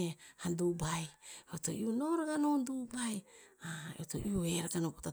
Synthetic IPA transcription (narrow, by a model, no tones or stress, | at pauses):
ehandubajeoto̰ionoɾaɡanondubajaeoto̰ʔioeɾaɡanopota